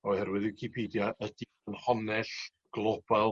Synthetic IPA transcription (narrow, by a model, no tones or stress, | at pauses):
ɔhɛrwɪðɪwkʰipʰiːdjaʔədi | ənhɔnɛɬ | ɡ̥lˠɔb̥alˠ